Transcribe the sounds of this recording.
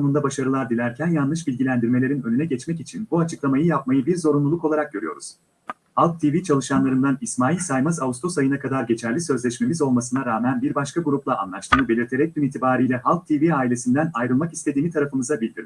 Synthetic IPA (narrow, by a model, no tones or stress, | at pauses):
onund̪abaʃaɾɯlˠaɾd̪ilʲæɾcʰænjanɯʃ̬bilʲɟilʲænd̪iɾme̞lʲeɾinønynɛɟɛt͡ʃmɛc̬it͡ʃʰinbuat͡ʃʰɯklˠamajɯjap̚majɯbiɾzo̞ɾunlˠulˠuko̞lˠaɾak̚ɟø̞ɾyjo̞̰ɾṵz̥ | halˠk̚t̪ʰivit͡ʃʰalˠɯʃanlˠaɾɯnd̪anismaːilʲsajmazaust̪ʰo̞sajɯnakʰad̪aɾɟe̞t͡ʃʰæɾlʲisø̞zlʲɛʃme̞mizo̞lˠmasɯnaɾaːmænbiɾbaʃkʰaɡuɾuplˠaa̰nlˠaʃt̪ʰɯːnɯbelʲiɾt̪ʰe̞ɾɛc̚d̪ymiːt̪ʰibaːɾijlʲɛɦalˠk̚t̪ʰiviaːilʲe̞sind̪ænajɾɯlˠmaki̥st̪ʰe̞d̪iːmit̪ʰaɾafɯmɯzabilʲd̪iɾ